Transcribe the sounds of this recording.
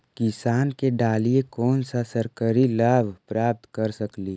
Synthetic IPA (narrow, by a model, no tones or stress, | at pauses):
kɪsaːnkeɖaːliekɔːnsasəɾkəɾilaːbʱpɾaːp̚t̪kəɾsəkliː